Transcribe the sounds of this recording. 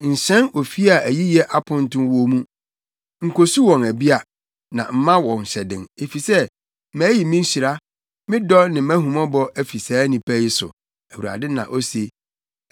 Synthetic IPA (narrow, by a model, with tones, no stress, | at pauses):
n̩˨ɕɛ̃˦no˨fi˦a˨æ˨ji˦jɛ˦ʔa˦pʰʊ̃˦n̩˦tʊ̃˦nwɔ˦mũ˦ | ŋ̩˨kʰo˨su˦wɔ̃˨næ˨bi˦a˨ | nã̰˨m̩˦mã˦wɔ̃˨n̩˨ɕɛ˨dɪ̰̃˨ne˨fi˨sɛ˦ | mæ̃ː˨˦ji˨mɪ̃˦n̩˦ɕi˨ɾa˦ | mɪ̃˦dɔ˦nɪ̃˨mæ̃˦hũ˨mɔ̃˦bɔ˦ʔæ˨fi˨saː˨˦nĩ˨pʰæ˦ji˦sʊ̰˨ | æ˨wu˨ɾa̰˨dɪ˦nã̰˨ʔo˦se˨